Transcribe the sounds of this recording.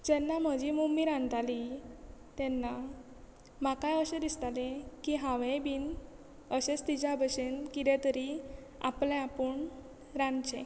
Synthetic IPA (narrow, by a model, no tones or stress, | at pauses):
d͡ʑɛnːam̤əd͡ʑimumbiɾãnt̪ali | t̪ɛnːa | makajəɕed̪ist̪alẽkiɦãʋebin | əɕet͡st̪id͡ʑabəɕenkid̪ɛ̃t̪əɾi | a̰plẽapəɳ | ɾãnt͡ɕɛ̰̃